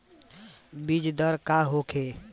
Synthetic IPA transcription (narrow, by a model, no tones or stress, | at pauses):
bid͡ʒd̪əɾkaɦokʰe